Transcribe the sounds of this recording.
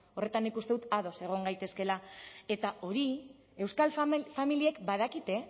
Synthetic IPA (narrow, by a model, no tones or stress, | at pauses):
o̞re̞t̪anːikust̪eðut̪aðo̞se̞ɣ̞o̞ŋɡajt̪e̞ske̞lae̞t̪ao̞ɾi | e̞wskalffamiliekbaðakit̪e̞